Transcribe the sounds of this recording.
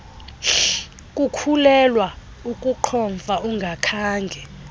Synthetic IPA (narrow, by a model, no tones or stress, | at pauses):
kʼukʰulɛlwa | ukʼuǃʰɔɱfaʔuŋɡʱakʰaːŋɡʱɛ